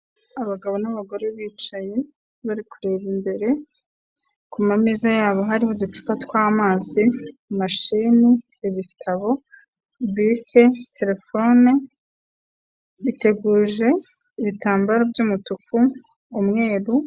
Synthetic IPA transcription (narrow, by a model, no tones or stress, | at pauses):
aβaɡaβo̞naβaɡo̞ɾe̞βiːt͡ʃaje̞ | βaɾikuɾeβimbe̞ɾe̞ | kumamizajaːβo̞ɦaɾihodut͡ʃu̥patkwaːmaːzimaʃiːniː | βitʰaβo̞ | βikʰe̞te̞ɾe̞fo̞ne | βite̞ɡuːʒe̞ | iβitaːmbaɾabjuːmutukuː | mŋe̞ːɾu